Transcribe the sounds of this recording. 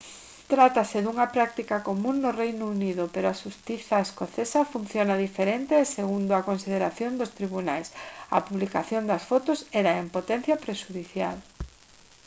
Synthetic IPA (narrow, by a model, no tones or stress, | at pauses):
t̪ɾat̪aseðuŋɐpɾak̚t̪ikakomũŋːʊrejnʊuniðʊpeɾoaʃust̪iθaeskoθesafun̟θjonaðifeɾent̪eːseɣund̪oakonsið̞eɾaθjond̪ost̪ɾiβ̞unajsɐ̰puβlikaθjond̪ɐsfɔt̪ʊsɛɾaempot̪ɛn̟θjapɾeʃuðiθjal